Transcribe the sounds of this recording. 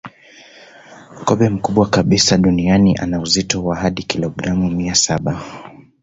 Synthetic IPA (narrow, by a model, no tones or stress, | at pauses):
kɔɓɛm̩kuɓwakaɓisaɗunianiʔa̰nauzitɔwahaɗikilɔɡɾamumiasaɓa